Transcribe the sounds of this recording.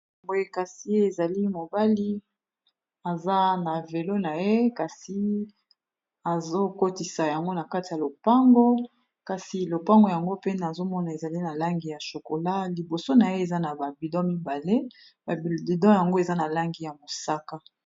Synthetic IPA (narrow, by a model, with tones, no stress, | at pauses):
mɡo˦je˦ka˨si˦e˨za˨li˦mo˨ba˦li˦ | a˨za˦na˨ve˨lo˦na˨je˦ka˨si˦ | a˨zo˦ko˦ti˨sa˨ja˨ŋɡo˦na˨ka˦ti˨ja˨lo˨pa˦ŋɡo˦ | ka˨si˨lo˨pa˦ŋɡo˨ja˨ŋɡo˦pe˦na˨zo˦mɔ˦na˨e˨za˨li˦na˨la˦ŋɡi˨ja˨ʃo˨ko˨la˦li˨bo˨so˦na˨je˦e˨za˦na˨ba˨bi˨dɔ̃˦mi˦ba˨le˦ | ba˨bbi˨dɔ̃˦ja˨ŋɡo˦e˨za˦na˨la˦ŋɡi˨ja˨mo˨sa˦ka˦